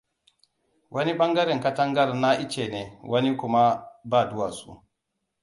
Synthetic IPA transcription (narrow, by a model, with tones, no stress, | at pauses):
wʔa˦ni˦ɓa˦ŋɡa˦ɾɛ˨ŋka˦ta˦ŋɡa˦ɾna˦ʔi˦t͡ʃɛ˨nɛ˨wa˦ni˦ku˦ma˦baː˦˨du˦wa˨sṵ˨